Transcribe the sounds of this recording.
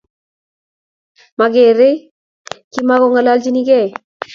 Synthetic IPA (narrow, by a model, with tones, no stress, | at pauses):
ma˨ɡe˨ɾe˦ | ki˦ma˦ɣɔ˨ŋa˨la˦ld͡ʒi˦ni˦ɡɛ˦˨